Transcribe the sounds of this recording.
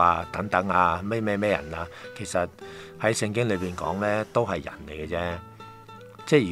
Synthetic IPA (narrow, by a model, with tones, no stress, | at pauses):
aː˧t̪ɐ˨˥ŋt̪ɐ˨˥ŋaː˧me˥mɛː˥mɛː˥jɐ̰˨˩naː˧kʰe˨˩jsɐ˨t̚hɐ˨˥jsɪ˧ŋkɪ˥ŋlɵ˨˧ɥpiː˨nkɔ̰ː˨˥ŋlɛː˥t̪o˥wɦɐ˨jːɐ̰˨˩nle˨˩jkɛ˧t͡sɛː˥ | t͡sɛː˥jyː˨